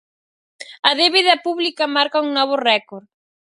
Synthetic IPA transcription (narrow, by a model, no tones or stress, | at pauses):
ɐðeβiðɐpuβlikɐmaɾkɐuŋnɔβ̞ʊrɛkoɾ